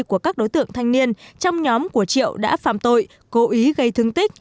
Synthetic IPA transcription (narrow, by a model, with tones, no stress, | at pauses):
ku˧˩əkaː˦˥k̚ɗo˨˦jt̪ɨ̰˧˨əŋt̪ʰa˧jŋni˧ənt͡ɕɔ˧wŋ͡mɲɔ˨˦mku˧˩ət͡ɕḭ˧˨əwɗa̰ː˧˥fa̰ː˧˨mt̪o̰˧˨j | ko˨˦ʔi˨˦ɣə˧jt̪ʰɨ˧əŋt̪ï˦˥k̟̚